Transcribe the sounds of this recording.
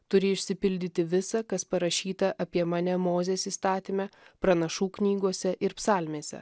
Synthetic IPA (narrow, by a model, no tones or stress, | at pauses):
t̪ʊɾʲɪɪʃʲsʲɪpʲɪlʲd̪ʲɪt̪ʲɪʋʲɪsɐkɐspɐɾɐʃʲiːt̪ɐʔɐpʲiɛmɑːnʲɛmoːzʲeːsiːst̪ɑːt̪ʲimʲɛpɾɐnɐʃuːknʲiːɡoɔsʲɛʔɪɾpsɑːlʲmʲeːsʲɛ̰